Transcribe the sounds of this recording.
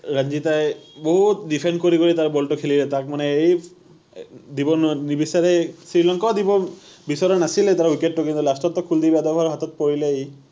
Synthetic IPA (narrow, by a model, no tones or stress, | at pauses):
ɹand͡ʒitajboɦutdipʰɛndkoɹikoɹitaɹbɔltɔkʰelilɛtak̚manɛej | dibɔnnibisaɹɛsɹilɔŋkɔdibɔ | bisɔɾɔnasilɛtaɹwiket̚ːʊkint̪ulastɔtːɔkʰuldibadɔbʱaɹɦatɔt̚poɹilɛej